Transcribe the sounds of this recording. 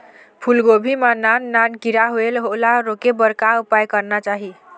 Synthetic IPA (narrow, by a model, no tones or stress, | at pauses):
pʰulɡobʱimanannankiɾaɦoelɦolaɾokebəɾkaupajkəɾnat͡ʃaɦi